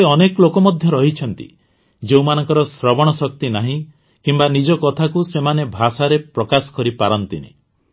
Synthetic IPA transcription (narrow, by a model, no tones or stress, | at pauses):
eɔneklokɔmɔd̪ʱjɔɾɔɦit͡ʃʰɔnt̪ḭ | d͡ʒew̃manɔŋkɔɾɔsɾɔbɔɽ̃ɔsɔk̚t̪inaɦĩ | kimbanid͡ʒɔkɔt̪ʰakusemanebʱasaɾepɾɔkasɔ̥kɔɾipaɾɔnt̪inḛ